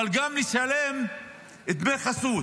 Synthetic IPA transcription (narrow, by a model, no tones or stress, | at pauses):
alɡamniʃalem | et̪meχasu